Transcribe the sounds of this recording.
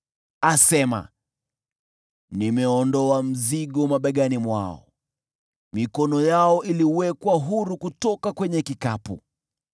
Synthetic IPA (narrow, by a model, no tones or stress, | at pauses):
asɛma̰ | nimɛɔndɔam̩ziɠɔmaɓaɠanimwa̰ɔ̰ | mikɔnɔjaɔʔiliwɛkwaɦuɾukutɔkakwɛɲɛkikapṵ